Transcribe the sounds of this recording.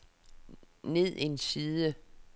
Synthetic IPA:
ne̝ð̞̰ˠiensiːðˠə

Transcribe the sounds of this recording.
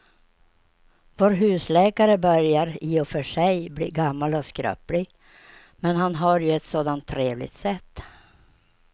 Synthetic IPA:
voːɾɦʉ̟ːslɛːkaɾəbœɾjaɾiːɔfœʂɛjblḭːɡamːalɔskɾœ̰plɪɡ | mɛnɦanɦaɾjɵɛt̪soːd̪ant̪ʰːɾeːvlɪ̰ɡt̪sɛt̪ː

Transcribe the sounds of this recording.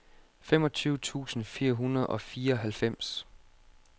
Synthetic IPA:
fem̰ɒ̽t͡sʰyːʊt͡sʰṵːsn̩fiːɐɦunɐð̞̩ˠɒ̽fiːɐɒɦælfem̰s

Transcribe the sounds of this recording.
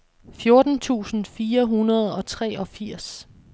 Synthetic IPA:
fjo̝ɐd̥n̩t͡sʰṵːsn̩fiːɐɦunɐð̞ˠɒ̽t͡sʰʁɛ̰ːɒ̽fiɐ̰s

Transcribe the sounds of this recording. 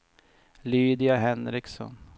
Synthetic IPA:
lyːd̪ɪaɦɛnɾɪksɔ̰n

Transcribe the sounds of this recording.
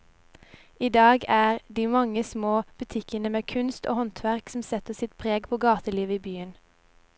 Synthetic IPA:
ʔiːd̪ɑːɡæːʁd̪iːmɑŋəsmoːb̥ʉt̪ʰɪkənəmeːkʰʉnst̪o̰ːhɔnt̪ʰʋæʁksm̩sɛt̪əsɪt̪pʰʁeːɡpʰoːɡɑːt̪əliːʋəiːbyːən

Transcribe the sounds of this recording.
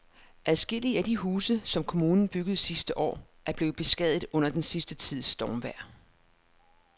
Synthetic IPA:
ʔæðˠsɡ̥e̝l̰iəæd̥iɦuːsəsɒ̽mkʰo̝muːnn̩b̥yɡ̥ð̞̩ˠsisd̥əʔɒ̰ː | æɐb̥le̝ːʊð̩ˠb̥e̝sɡ̥ɛð̰ˠð̩ˠɔ̽n̰ɐd̥ensisd̥ət͡sʰið̞̰ˠsd̥ɒːmʋæɐ̰

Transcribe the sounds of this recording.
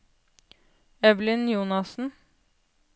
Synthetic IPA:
ɛʋlɪnjuːnɑsn̩

